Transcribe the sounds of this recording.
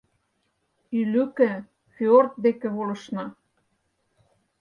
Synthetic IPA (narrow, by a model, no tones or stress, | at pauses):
ylykɘ̆ | feort̪̚d̪ekĕβolɤ̆ʃnɑ